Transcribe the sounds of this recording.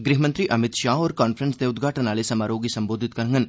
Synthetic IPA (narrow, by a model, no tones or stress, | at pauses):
ɡɾiɦmə̃nt̪ɾiʔɐmɪt̪ʃaːɦɔːɾkaːnfəɾənsneʊd̪ɡʱaːʈənaːlesɐmaːɾoːɡisɐ̃mboːd̪ʱɪt̪kɐɾŋɡən